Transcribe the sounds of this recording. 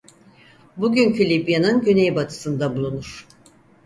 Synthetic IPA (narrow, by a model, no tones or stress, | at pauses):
buɟyncʰylʲibjanɯnɟønejbat̪ʰɯ̥sɯnd̪abulˠunuɾ̥